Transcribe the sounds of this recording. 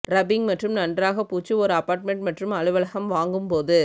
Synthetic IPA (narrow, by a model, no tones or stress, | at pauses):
ɾɐbɪŋmɐʈrɯmnɐndraːɣɐpuːt͡ʃːɯɔɾɯɐpaːɾʈmɛɳʈmɐʈrɯmɐɭɯʋɐɭɐɣɐmʋaːŋɡɯmpoːðɯ